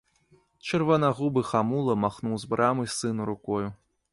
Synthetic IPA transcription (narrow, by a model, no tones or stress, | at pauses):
t͡ʃɨrvɐnaɣubɨxamulˠɐmaxnuwzbɾʔamɨsɨnuɾukɔju